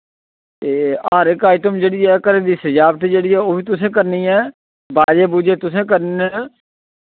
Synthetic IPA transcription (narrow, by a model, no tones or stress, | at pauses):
eːaːɾekaːiːt̪ʊmd͡ʒeːɽɪːɛːkəɾẽːd̪iːsd͡ʒaːbt̪ed͡ʒeːɽɪːɛːoːbʱiːt̪ʊsẽːk̬əɾnĩːɛː | baːɾeːbʊd͡ʒeːt̪ʊs̬ẽːk̬əɾniɛː